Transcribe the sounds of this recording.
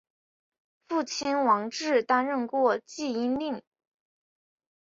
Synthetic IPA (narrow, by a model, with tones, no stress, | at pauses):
fu˥˩t͡ɕʰi˥nwɑ˧˥ŋʈ͡ʂɻ̩˥˩t̪a˥nɻə˥˧nkwɔ˥˧t͡ɕi˥˩i˥nli˥˩ŋ